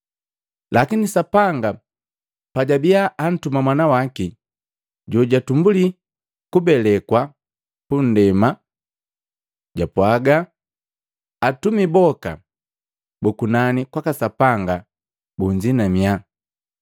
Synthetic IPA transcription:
lʔakinisapaŋɡa | paɟabiaʔːn̩tumamwanawaki | ɟɔɟatumbuli | kubɛlɛkwa | pun̩dɛma | ɟapwaɡa | tumibɔka̰ | bukunanikwakasapaŋɡa | buɲd͡ʒinamia

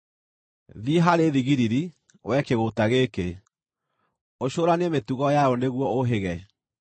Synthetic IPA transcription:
ðiɦaɾeðiɣiɾiɾi | wɛkeɣotaɣeke | oɕoːɾanɛmetuɣɔjaoneɣwɔoɦeɣɛ

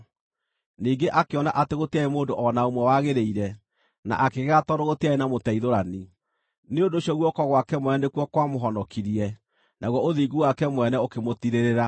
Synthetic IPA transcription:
niːɡeʔakeɔnaʔateɣoteaemoːndoʔɔnaomwɛwaɣeɾeiɾɛ | na̰ʔakeɣɣatɔɾoɣoteaenamotɛiðoɾani | neondoːɕiɔɣwɔkɔɣwakɛmwɛnɛnekwɔkwamoɦɔnɔkiɾiɛ | naɣwɔoðiɡuwakɛmwɛnɛokemotiɾeɾeɾa

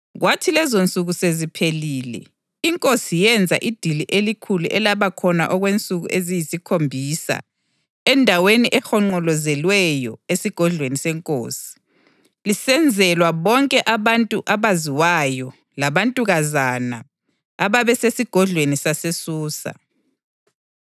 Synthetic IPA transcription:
ɣwʔatʰilɛzont͡sʼuɣusezipʰeliːlɛ̰ | iŋkʼosijɛnd͡zʱa̰ʔid̥ʱiliʔelikʰuluʔɛlaβakʰɔna̰ʔɔɣwent͡sʼuɣṵʔezijisikʰombʱisa̰ | ɛndʱaweniʔɛxɔŋ͡ǃɔlɔzɛlwɛjɔesiɡ̥ʱɔɮwenisɛŋkʼo̰ːsi̥ | lisɛnd͡zʱɛlwaβɔŋkʼɛʔaβantʼuʔaβaziwajɔ | laβantʼuɣazana | aβaβɛsesiɡ̥ʱɔɮwenisasesuːsa̰

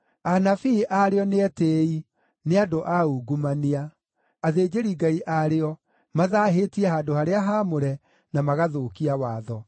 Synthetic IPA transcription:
anafiʔaɾeɔneɛtei | neadoʔauɡumaniaː | ðeːd͡ʑeɾiɡaiʔaɾeɔ | maðaːɦeːtiɛhaːdohaɾeaɦamoɾɛ | namaɣaðokiawaːðɔ

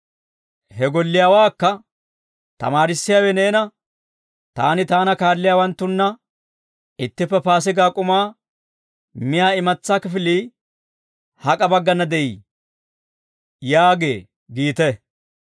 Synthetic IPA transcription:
hɛɡɔlːɪjaːwaːkːɐ | t̪ɐ̰maːɾɪsːɪjaːwɛne̞ːnɐ | t̪a̰ːnɪt̪aːnɐkaːlːɪjaːwɐnt̪ːʊnːɐ | ɪt̪ːɪpːɛpaːs̬ɪɡaːkʼʊmaː | mɪjaːɪmɐt͡sːaːkɪfɪliː | hɐkʼɐbɐɡːɐnːɐd̪ɛʔiː | jaːɡḛː | ɡiːt̪ɛ

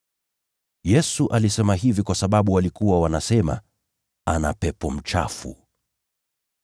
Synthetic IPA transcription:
jɛsuʔalisɛmaɦivikwasaɓaɓuwalikuwawanasɛma̰ | ana̰pɛpɔm̩t͡ʃa̰fṵ

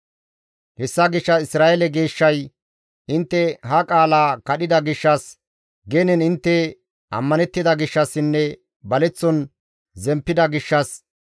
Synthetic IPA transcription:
hɛsːɐɡɪʃːɐɪsɾaːʔɛlɛɡe̞ːʃːɐj | ʔɪnt̪ːɛɦɐkʼaːlaːkɐɗɪd̪ɐɡɪʃːɐs | ɡɛnɛnɪnt̪ːɛ | ʔɐ̰mːɐnɛt̪ːɪd̪ɐɡɪʃːɐsːɪnːɛ | bɐlɛt͡sːɔn | zɛmpːɪd̪ɐɡɪʃːɐs

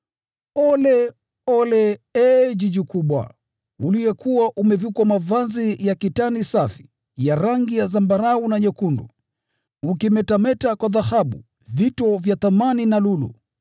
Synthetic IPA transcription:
ɔlɛ | ɔlɛɛʄiʄikuɓwa̰ | uliɛkuwaʔumɛvukwamavazijakitanisafi̥ | jaɾaŋɡijazambaɾaunaɲɛkundṵ | ukimɛtamɛtakwaðahaɓṵ | vitɔvjaθamaninalulṵ

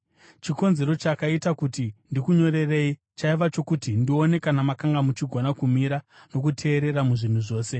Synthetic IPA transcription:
t͡ʃiko̞nze̞ɾo̞t͡ʃakaitakutindikuɲo̞ɾe̞re̞i | t͡ʃaiʋat͡ʃo̞kutindio̞ne̞kanamakaŋɡamut͡ʃiɡʱonakumiɾano̞k̬utʰe̞ːɾe̞ɾamuʐin̤uʐo̞ːse̞

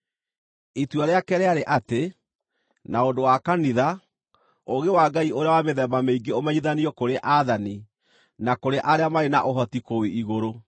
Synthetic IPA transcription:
itwaɾeakɛɾɛaɾeʔate | naondowakaniða | oɣewaːɡaioɾeawameðɛmameiɡeomɛɲiðaniɔkoɾeʔaðani | nakoɾeʔaɾeamaɾenaʔoɦɔtikoweiɣoɾo

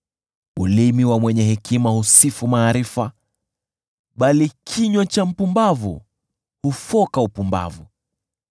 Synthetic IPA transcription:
ɓulimiwamwɛɲɛɦɛkimahusifumaːɾifa | ɓalikʰiɲwat͡ʃam̩pumbavṵ | hufɔkaupumba̰vṵ

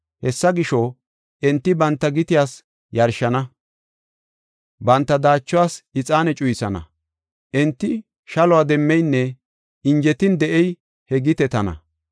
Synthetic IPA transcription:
hɛsːɐɡɪʃo | ʔɛnt̪ːɪbɐnt̪ːɐɡɪt̪ɪjaːs | jɐɾʃɐnɐ | bɐnt̪ːɐd̪aːt͡ʃːʊwaːsɪt͡sʼaːnɛt͡ʃʼʊjsɐnɐ̰ | ʔɛnt̪ːɪ | ʃɐlɔʊwaːd̪ɛmːɛjnːɛ | ɪnd͡ʒɛt̪ɪnd̪ɛʔɛj | hɛɡɪt̪ɛt̪ɐnɐ̰

